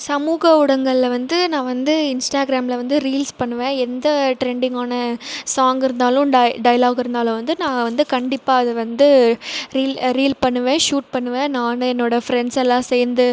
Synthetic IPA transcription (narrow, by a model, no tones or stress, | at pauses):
sɐmuːɣɐʊɽɐŋɡɐɭlʋɐnd̪ɯnãːʋɐnd̪ɯɪnsʈaːɡɪɾaːmlɐʋɐnd̪ɯɾiːlspɐɳːɯʋẽːɛnd̪ɐʈɾɛɳɖɪŋɡaːnɐsaːŋɡɪɾɯnd̪aːlʊ̃ɖɖɐjɐlaːɣɪɾɯnd̪aːlʊ̃ʋɐnd̪ɯnãːʋɐnd̪ɯkɐɳɖɪpːaːɐðɯʋɐnd̪ɯɾiːlɾiːlpɐɳːɯʋẽːʂuːʈ̚pɐɳːɯʋẽːnaːnɐ̃ɛnːoːɽɐfɾɛɳsɛlːãːsejɾnd̪ɯ